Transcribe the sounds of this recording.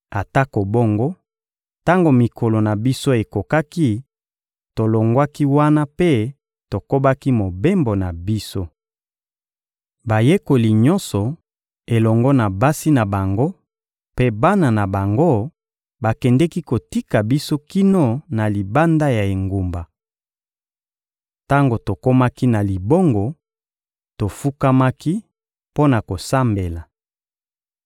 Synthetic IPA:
a˨ta˦ko˨bo˦ŋɡo˦ | ta˦ŋɡo˨mi˨kʰo˨lo˨na˨bi˦so˦e˨ko˨ka˦ki˦ | to˨lo˨ŋɡwa˦ki˦wa˦na˦pe˦ | to˨ko˦ba˦ki˦mo˨be˦mbo˨na˨bi˦so˦ | ba˨je˦ko˨li˨ɲɔ˦nsɔ˨ | e˨lɔ˨ŋɡɔ˦na˨ba˦si˦na˨ba˨ŋɡo˦ | pe˦ba˦na˨na˨ba˨ŋɡo˦ | ba˨kɛ˨ndɛ˦ki˦ko˨ti˦ka˨bi˦so˦ki˦no˦na˨li˨ba˦nda˦ja˨e˨ŋɡu˨mba˨ | ta˦ŋɡo˨to˨ko˦ma˦ki˦na˨li˨bo˦ŋɡɔ˨ | to˨fu˦ka˦ma˦ki˦ | po˦na˨ko˨sa˦mbe˨la˨

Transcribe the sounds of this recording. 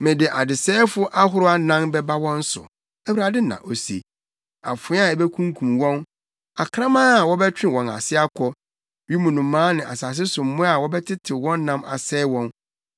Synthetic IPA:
mɪ̃˨dɪ˨ʔa˨dɪ˨sɛː˦fʊ˦ʔa˦ɦʊ˦ɾʊ˦a˦nã˦mbɛ˦ba˦wɔ̃˦n̩˦sʊ̰˨ | æ˦wu˦ɾa˨dɪ˦nã̰˨ʔo˨sḛ˨ | a̰˨fʊ˨˦a˨ɛ˨bɛ˦kʰũ˦ŋ˦kʰũ˨mwɔ̃˦n | a˨kʰɾã˦mã˦˨wɔ˦bɛ˦t͡ɕᶣɪ̃˦wɔ̃˨na̰˨sɪ˦a˦kʰɔ˦ | ɥi˦mũ˨nũ˨mːãː˦nɪ̃˨ʔa˨saː˨s̬ɪ˦sʊ˨m̩˦mʊ̃˦a˨wɔ˦bɛ˦tʰɪ˦tʰɪ˨wɔ̃˦nː˦ã˦ma̰˨sɛː˦wɔ̃˦n

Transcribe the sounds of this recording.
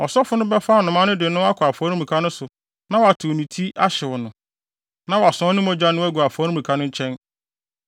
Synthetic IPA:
ɔ˨sɔ˦fʊ˦nʊ̃˦bɛ˦fa˦˨nʊ̃˨mã˦nʊ̃˦dɪ˨nʊ̃˦a˦kʰʊ˨a˨fɔ˨˦ɾũ˦m˨ũ˨kʰa˦nʊ̃˦sʊ˨ | nã˦wɔ˨a˨tʰʊ˨nĩ˨tʰi˦ʔa˦ɕɪ˨wɔ˨nʊ̃˨ | nã˦wa˨sɔ̃˨˦nʊ̃˦mɔ̃˦d͡ʑa˦nʊ̃˦æ˦ɡu˨a˨fɔː˨˦ɾũ˦m˨ũ˨kʰa˦nʊ̃˦ɲ̩˦t͡ɕʰɛ̃˦n

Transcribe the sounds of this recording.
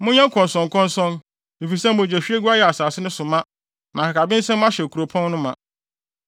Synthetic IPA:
mʊ̃˦ɲɛ̃˦ŋ˦kʰɔ̃˨n˨sɔ̃˨ŋ˨kʰɔ̃˦nsɔ̃˦n | mi˨fi˨sɛ˦m˨mʊ̃˨d͡ʑɛ˨ɕᶣi˦e˦ɡu˦a˦jɛ˨a˨saː˨sɪ˦nʊ̃˦sʊ˨mã˦ | nã˨ka˨ka˨bɪ̃˦n̩˦sɛ̃˦m˦ã˦ɕɛ˨kʰu˨ɾo˨pʰɔ̃˦nnʊ̃˦mã˨

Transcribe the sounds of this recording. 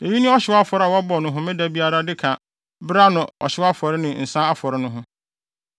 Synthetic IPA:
e˨ji˦nʊ̃˦ɔ˦ɕɪ˨wa˦fɔ˨ɾɪ˦a˨wɔ˦bɔ˨nʊ̃˦ɦʊ̃˦mɪ̃˦dæ˨bi˦a˦ɾa˦dɪ˦kʰã˨ | bɾa˦nʊ̃˨ɔ̰˨ɕɪ˦wa˦fɔ˨ɾɪ˦nɪ̃˨n̩˨sã˦a˦fɔ˨ɾɪ˦nʊ̃˦ɦʊ̃˦

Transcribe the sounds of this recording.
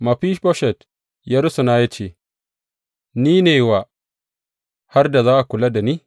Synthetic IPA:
ma˨ɸi˦ʃbɔ˦ʃɛ˨t | ja˦ɾʊ˦su˨naː˦ja˦t͡ʃeː˦˨ | niː˦neː˨wa˨ | ha˦rda˨zaː˦ʔa˨kʷʊ˨la˦da˨niː˦

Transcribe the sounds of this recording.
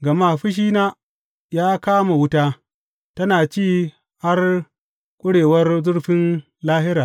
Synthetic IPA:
ɡɐ˨maː˦˨ɸɪ˦ʃ̬iː˦naː˦ | jaː˦kaː˦ma˨wʊ˦taː˦ | tɐ˦naː˨t͡ʃiː˦˨ | ha˦r | kʷʼʊ˦ɽeː˨wɐ˦rzʊ˦ɽɸɪ˦n | laː˦ɦɪ˦ɾaː˨

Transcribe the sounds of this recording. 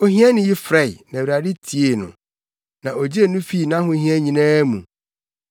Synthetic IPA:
o˦hĩ˦a˦nɪ̃˨ji˦fɾɛ˦˨ɪ˨næ̃˨wa˨dɪ˦tʰi˨e˨nʊ̰̃˨ | nã˨o˨d͡ʑi˦e˨nũ˦fi˦˨nã˦ɦʊ̃˦ɦhĩ˦ɛ˦ɲĩ˨nãː˦mṵ̃˨

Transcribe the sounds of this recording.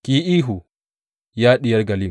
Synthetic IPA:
ki˨ʔiː˦ɦu˨ | jaː˦ɗɪ˨jɐ˦rɡɐ˨li˦˨

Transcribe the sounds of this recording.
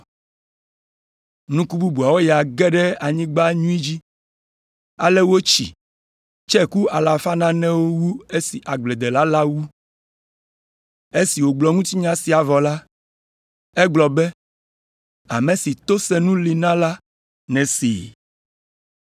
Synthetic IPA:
nũ˦ku˦bu˦bu˨a˨wo˦ja˨ɡɛ˦ɖɛ˦a˨ɲĩ˦ɡ͡ba˦ɲũ˦i˦d͡ʑi˦ | a̰˨lɛ˦wo˦t͡ʃḭ˨ | t͡ʃɛ˦ku˦a˨la˨fa˦nã˦nɛ̃˦wo˦wu˦e˦si˨ʔa˨ɡ͡ble˨d̪e˨la˦la˦wu˦ | e˦si˨wo˨ɡ͡blɔ˨ŋũ˦t̪i˦ɲã˦si˨a˨vɔ˨la˦ | e˦ɡ͡blɔ˨bɛ˦ | a˨mẽ˨si˨t̪o˦sɛ˦nũ˦li˨nã˦la˦ | nɛ̃˨sḭ˨

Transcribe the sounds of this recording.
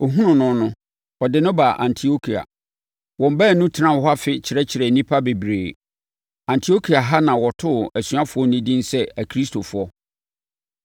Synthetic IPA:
o˨ɦũ˦nʊ̃˨nʊ̃˦nʊ̃˦ | ɔ˨dɪ˨˦nʊ̃˦ba˨ʔã̰˨ntʰi˨o˦kʰi˨a̰˨ | wɔ̃˨m̩˨bɛ˦˨nʊ̃˦tʰɪ˦nã˦˨hɔ˦a˦fɪ˦t͡ɕʰɪ˨ɾɛ˦t͡ɕʰɪ˨ɾɛ˨nĩ˦pʰa˦be˨bɾeː˨ | ã˨ntʰi˨o˦kʰi˨a˨ɦa˦nã˨wɔ˨tʰʊ˦˨æ˨sɥa˦fʊ˨ɔ˦nĩ˦dĩ˦n˦sɛ˦æ˨kʰɾi˦stʰo˨fʊ˨˦ɔ˦

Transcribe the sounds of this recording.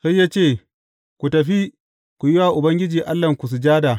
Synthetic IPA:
sɐ˦jːaː˦t͡ʃeː˦˨ | kʷu˨tɐ˨ɸi˦ | kʷu˨jɪ˦waː˨ʔʊ˨bɐ˦ŋɡʲɪ˦d͡ʒiː˨ʔa˦lːɐ˨ŋkʷu˨s̬u˨d͡ʒaː˦daː˨

